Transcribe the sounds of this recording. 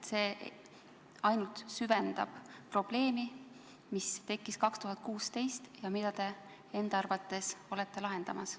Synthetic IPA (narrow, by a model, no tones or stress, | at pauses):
t̪se̞ː | ɑjnult̪syve̞nd̪̥ɑb̥pro̞b̥le̞ːmi | mist̪e̞kːˑiskɑkst̪uɦɑt̪̚kuːst̪e̞jst̪jɑmid̪ɑt̪e̞ | e̞nd̪ɑrvɑt̪ːˑe̞so̞le̞t̪ˑːe̞lɑɦe̞nd̪ɑmɑs